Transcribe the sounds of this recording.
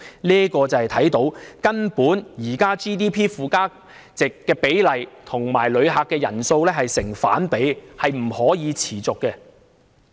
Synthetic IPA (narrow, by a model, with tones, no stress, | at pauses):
liː˥kɔː˧t͡sɐ˨hjt̪ʰɐ˨˥jt̪o˨˥wkɐ˥npuː˨˥njiː˨˩kaː˥t͡ʃiː˥t̪̬iː˥pʰiː˥fuː˨kaː˥ | t͡sɪ˨kːɛː˧pe˨˥jlɐ˨jt̪ʰʊ˨˩ŋmaː˨˩jlɵ˨˧ɥɦaː˨˧kːɛː˧jɐ˨˩nso˧wlɛː˥ɦɐ˨jsɪ˨˩ŋfa̰ː˨˥npe˨˥jhɐ˨jm̩˨˩hɔː˨˥jiː˨˧t͡sʰiː˨˩t͡sʊ˨kːɛː˧